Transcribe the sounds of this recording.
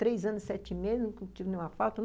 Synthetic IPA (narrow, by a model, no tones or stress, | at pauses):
t̪ɾejzɐ̃nʊssɛt͡ʃɪmezznũkñt͡ʃivɪnẽjũmɐfawt̪ɐn